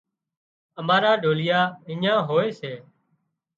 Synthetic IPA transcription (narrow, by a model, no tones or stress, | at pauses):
əmaːɾaːɖʱoːlɪjaːɪɲãːɦoːeːseː